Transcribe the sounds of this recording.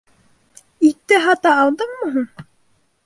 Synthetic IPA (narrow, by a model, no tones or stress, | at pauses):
it̪ːɘɦɑt̪ɑːlˠd̪ɤɴmɤ̆ɦɤɴ